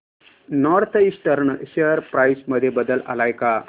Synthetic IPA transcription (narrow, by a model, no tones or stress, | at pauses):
nɔɾt̪ʰisʈəɾɳɕeəɾpɾajsməd̪ʱjebəd̪əla̰lajka